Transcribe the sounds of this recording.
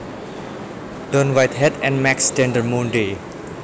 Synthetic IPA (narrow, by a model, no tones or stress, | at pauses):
d̥ɔ̃nwajt̪ɦɛtɛ̃nmɛkstɛ̃ndəmũnde